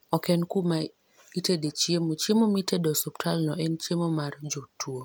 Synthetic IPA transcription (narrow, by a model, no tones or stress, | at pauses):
ɔkɛnkuma | itedet͡ʃjemot͡ʃemomitedɔsoptʰalnɔɛnt͡ʃemomard͡ʒotʰːuo